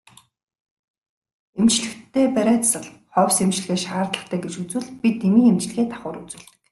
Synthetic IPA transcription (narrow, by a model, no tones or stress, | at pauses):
emt͡ɕɮɘ̆kt̪ʰːeːpæɾʲæːt̪sə̆ɮχɔwʲsemt͡ɕɮ̆ɣeːʃaːrt̪ɮə̆χt̪ʰæːɡet͡ɕut͡sŭːɮpʲit̪ːemiːemt͡ɕ̆ɮ̆ɣeːt̪ʰḁχʊːɾut͡suːɮt̪ɘ̥̆k